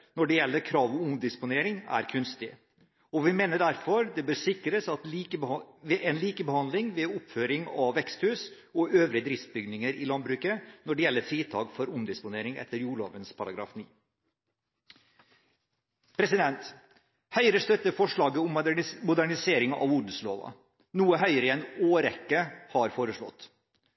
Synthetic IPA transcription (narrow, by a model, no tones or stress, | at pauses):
nɔɖɛjɛlːəɾkʰɾɑːʋɔmʊmd̪ɪspʊneːɾɪŋæ̰ɾkʰʉnst̪ɪ | ɔʋɪmeːnəɖ̪æɾfɔɾd̪ɛbøːɾsɪkɾəsɑt̪ːəʋɛɛnliːkəbəhɑnd̪lɪŋʋɛʊpføːɾɪŋɑʋːɛkst̪hʉːs | ɔøːʋɾɪəd̪ɾɪft̪̚bʏɡnɪŋəɾɪlɑnd̪bɾʉːkənɔɖɛjɛlːəɾfɾiːt̪ʰɑːkfɔɾʊmd̪ɪspʊneːɾɪŋɛ̰t̪ːəɾjuːɭo̰ːʋənspʰɑɾɑɡɾɑ̰ːfniː | pʰɾɛsɪd̪ɛnt̪ | hœʏəɾəst̪œt̪ːəfɔʂɭɑːɡəʊmmʊd̪æɳɪseːɾɪŋɑ̰ʋʊɖəslo̰ːʋɑ̰ | nuːəɦœʏəɾɪɛnoːɾɛkːəhɑɾfoːɾəʂɭɔ̰t̪ː